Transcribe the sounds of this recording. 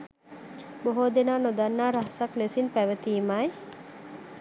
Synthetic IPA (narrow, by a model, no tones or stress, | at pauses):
boɦoːd̪enaːnod̪anːaːɾaɦsaklesinpæʋət̪iːmaj